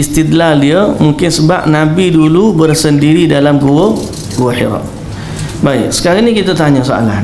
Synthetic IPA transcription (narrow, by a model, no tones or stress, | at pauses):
ist̪it̪ladiəmuŋkɪnsəba̰p̚nabidulubərsəndiɾidalamɡuwə | ɡuwəħḭɾɔ̰ʔ̚ | baɪk̚sə̥kaɾinikit̪at̪aɲasoa̰la̰n